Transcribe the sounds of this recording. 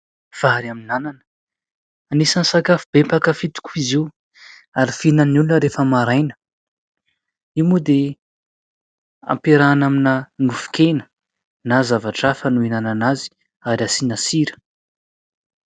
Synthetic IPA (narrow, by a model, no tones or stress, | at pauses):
v̥aɾaminananə̥ | anisansakafubempakəfit̪i̥kʲuiziw | aɾifinənulunəɾefəmaɾajnə̥ | imud̪e | a̰mpeɾanaminaŋufu̥kʲenə̥ | nazavaʈ͡ʂafənuinananazi̥ | aɾasinasiɾə̥